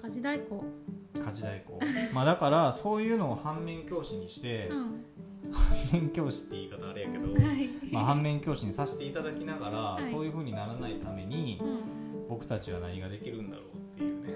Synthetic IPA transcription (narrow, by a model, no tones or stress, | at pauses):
kaʑid̪aikoːkʰaʑid̪aiko̞̰ːmad̪akaɾaso̞ːjɯ̟ːno̞ːhãmːẽ̞ŋkʲo̞ːɕiɲ̟iɕi̥t̪e̞ | hãmːẽ̞ŋkʲo̞ːɕi̥t̪ːe̞iːkat̪aːɾɯjake̞d̪o̞haimahãmːẽ̞ŋkʲo̞ːɕiɲ̟isase̥t̪e̞it̪ad̪akʲinaɡaɾaso̞ːjɯ̟ːɸɯ̟ːɲ̟inaɾanait̪ame̞ɲ̟i | bo̞kɯ̟̥t̪at͡ɕiβ̞ana̰ɲ̟iɡad̪e̞kʲiɾɯ̟̃nd̪a̰ɾo̞̰ːt̪ːe̞jɯ̟ːne̞